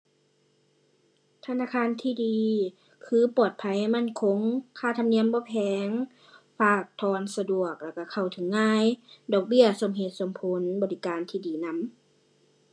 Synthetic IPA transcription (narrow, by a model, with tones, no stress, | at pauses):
t̪ʰa˧naː˧˥˨kʰaː˧˨nt̪ʰiː˧˨diː˧ | kʰɯː˧˦pɔː˨˩t̪̚pʰa˧˦jma˧˥˨nkʰo˧˥ŋkʰaː˧˩˨t̪ʰa˧mni˧˥˨əmbɔː˧˦pʰɛː˨˧˦ŋ | faː˧˩k̚t̪ʰɔː˧˩nsa˧du˨˩ək̚lɛ˧˩ka˧˩kʰa˧˩wt̪ʰɯ˨˦ŋːaː˧˥˨jdɔː˨˩k̚bi˥˩˨ɐso˧˦mɦe˧˦t̪̚so˧˦mpʰo˧˦nbɔː˧˨li˧˦kaː˨nt̪ʰiː˧˩diː˨˦na˧˥˨m